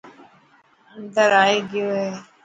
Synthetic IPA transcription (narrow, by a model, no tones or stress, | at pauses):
nd̪əɾaːeːɡɪjoːɦeː